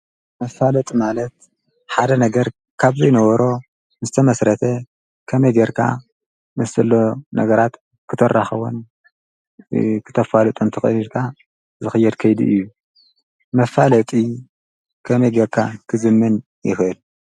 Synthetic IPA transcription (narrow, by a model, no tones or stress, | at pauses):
mɐfalɐt̪ʼimalɐt̪̚ | ħad̪ɐnɐɡɐɾ | kʰaβzijnɐwɐɾo̞ | nɨzɨt̪ʰɐmɐsɾɐt̪ʰɐ | kʰɐmɐjɡeɾkʰa̰ | mɨsɨlːonɐ̰ɡɐɾat̪ | kʰɨt̪ʰɐrːaxɐwo̰n | kʰɨ̥t̪ʰɐfalɨt̪ʼunt̪ʰɨxɐ̰ilkʰa | zɨxɨjːɛd̪kʰɐjd̪ḭʔɨ̰jːu | mɐfalɐt̪ʼi | kʰɐmɐjɡɐɾkʰakʰɨzɨmːɨn | jɪ̰xɨl